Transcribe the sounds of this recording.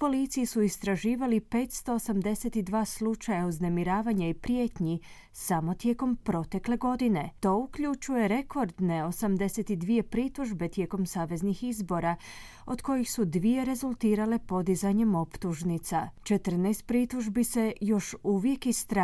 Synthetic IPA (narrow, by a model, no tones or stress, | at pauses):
po̞lit̪sijisuist̪ɾaʒiːʋalipe̞ːt̪st̪o̞ːsamd̪e̞set̪id̪ʋaːslut͡ʃajauzne̞miɾaːʋaɲaipɾje̞ːt̪ɲi | samo̞t̪je̞ko̞mpɾo̞t̪e̞kle̞ɡo̞d̪ine̞t̪o̞ukʎut͡ʃuje̞ɾe̞kʰo̞ɾd̪ne̞o̞samd̪e̞set̪id̪ʋije̞pɾit̪uʒbe̞t̪je̞ːko̞msaːʋe̞znixizbo̞ɾa | o̞d̪ko̞jixsud̪ʋije̞ɾe̞zulˠt̪iːɾale̞po̞d̪izaɲe̞mo̞pt̪uʒnit̪sat͡ʃet̪əɾ̩najst̪̚pɾit̪uʒbise̞jo̞ʃuʋje̞kist̪ɾ